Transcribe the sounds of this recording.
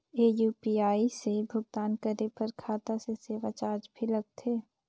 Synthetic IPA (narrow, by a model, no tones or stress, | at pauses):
eːjuːpiːaːisebʱʊɡt̪aːnkəɾepɐɾkʰaːt̪aseseːʋat͡ʃaːɾd͡ʒbʱilɐɡ̚t̪ʰeː